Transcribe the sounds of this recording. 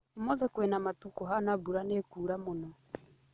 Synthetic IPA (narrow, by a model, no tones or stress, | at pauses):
mɔðɛkwenamatukɔɦanabuɾanekuːɾamonɔ